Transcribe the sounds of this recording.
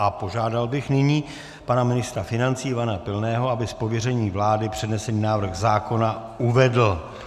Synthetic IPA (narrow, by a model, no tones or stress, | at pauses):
ʔapo̞ʒaːdalbɪxnɪɲiː | panamɪnɪst̪ɾafɪnant͡siːvanapɪlnɛːɦo̞abɪspovjɛrɛɲiːvlaːdɪpr̝̥ɛdnɛsɛniːnaːvr̩xzaːko̞na | ʔuvɛdl̩